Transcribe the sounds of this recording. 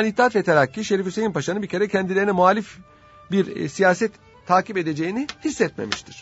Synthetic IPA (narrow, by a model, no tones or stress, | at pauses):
nit̪ʰːiat̪vɛt̪ʰeɾacːiʃe̞ɾifyse̞jinpʰaʃanɯbicʰe̞ɾɛcʰɛnd̪ilʲeinɛmuaːlʲif | biɾsijaːsɛt̪ʰː | aːkipe̞d̪e̞d͡ʒe̞jinihisːɛt̪mḛmiʃt̪ʰiɾ̥